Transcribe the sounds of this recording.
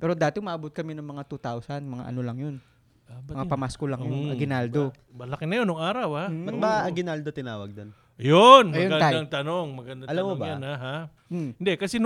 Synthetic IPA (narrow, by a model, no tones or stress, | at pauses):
pɛːɾo̞d̪aːt̪ɪmaʔɐbot̪̚kɐmɛnɐŋmɐŋat̪ut̪awsɐnmɐŋa̰ʔɐ̰no̞lɐŋjon | mɐŋapɐmaskolɐŋjonmŋaɡɪnald̪o | bɐlɐkɪnɐjonʊŋaːɾɐwhaɐt̪baɐɡɪnald̪ot̪ɪnaːwɐɡ̚d̪on | jonmɐjonɡɐad̪aŋt̪ɐnoŋmɐɡɐnd̪ɐɐlamːobɐajanhaɦa | ɪnd̪ɛkɐsɛn